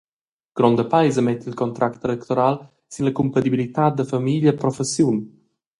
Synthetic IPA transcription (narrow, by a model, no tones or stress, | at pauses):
ɡ̥ɾɔnd̪əpajzəmɛt̪ːilkɔnt̪ɾʔakt̪elɛkt̪oɾal | sinləkumpat̪ibilit̪at̪̚d̪əfamiʎəpɾɔfesjun